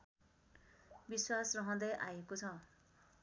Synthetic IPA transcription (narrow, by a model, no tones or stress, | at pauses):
biswasrʌɦʌ̃d̪ʌjʔajekot͡sʰʌ